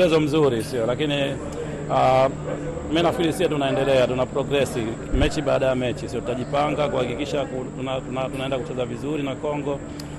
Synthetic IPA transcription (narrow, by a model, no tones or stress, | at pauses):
ɛzɔm̩zuɾisiɔlakini | a | minafkilisiatunaɛndɛlɛatunapɾɔɡɾɛsi | mɛt͡ʃiɓaːɗajamɛt͡ʃisiɔtutaʄipaŋɡakuhakikiʃakutunatunatunaɛndakut͡ʃɛzavizuɾinakɔŋɡɔ